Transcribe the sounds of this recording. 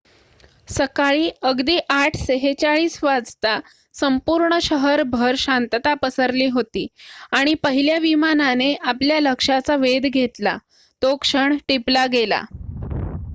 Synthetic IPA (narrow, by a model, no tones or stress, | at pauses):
səkaɭiːəɡd̪iːʔaʈʰseɦet͡ɕaɭiːsʋad͡zt̪a | səmpuɾɳəɕəɦəɾbʱəɾɕant̪ət̪apəsəɾliːɦot̪iːaɽ̃ipəɦiljaʋimananeʔapljaləkʂat͡saʋed̪ɡʱet̪la̰ | t̪okʂəɳʈiplaɡela̰